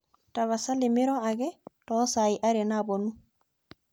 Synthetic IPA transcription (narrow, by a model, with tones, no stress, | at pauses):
ta˨βa˨sa˦lɪmɪ˦ɾɔ˦a˨ɣɛ˦tɔ˦sa˨i˨ʔa˦ɾɛ˨nabɔ˨nu˦